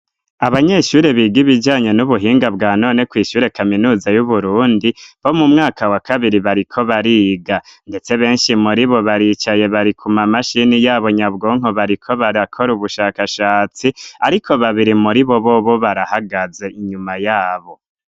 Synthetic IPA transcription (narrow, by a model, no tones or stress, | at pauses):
aβaɲe̞ʃuːɾe̞βiːɡiβid͡ʒaːɲe̞nuβuɦiːŋɡabɡaːno̞ːne̞kwiːʃuːɾe̞kaminuːzajuβuɾuːndiβo̞mumŋaːkʰawakʰaβiɾiβaɾikʰo̞βaɾiːɡande̞t͡se̞βe̞ːnʃimuɾiβo̞βaɾiːt͡ʃaje̞βaɾikʰumamaʃinijaːβo̞ɲabɡoːŋ̥oβaɾikʰo̞βaɾakʰo̞ɾuβuʃaːkaʃaːt͡siaɾikʰo̞βaβiɾimuɾiβo̞βo̞βo̞βaɾahaɡaze̞ʔiɲumajaːβo̞